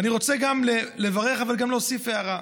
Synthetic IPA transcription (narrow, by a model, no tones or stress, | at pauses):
aniʁo̞t͡seɡamlele̞vaʁe̞χavalɡamloːsifeaʁa